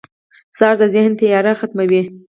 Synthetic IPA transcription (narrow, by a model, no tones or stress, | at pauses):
sɑɾd̪əzɪhnt̪ɪjɑɾaxat̪mawi